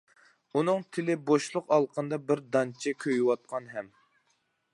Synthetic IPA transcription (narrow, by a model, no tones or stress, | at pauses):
unɨŋt̪ʰɪlɪboʃlˠʊqɑlˠqʰənd̪ɑbɪɾd̪ɑnt͡ʃʰɛkʲʰøjwɑt̪̚qʰɑnɦɛm